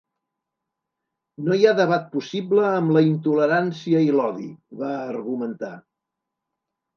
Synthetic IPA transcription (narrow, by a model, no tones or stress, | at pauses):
nojaðəβ̞at̪̚pusibləːmləint̪uləɾansiəilɔðḭβaːrɣumənt̪a̰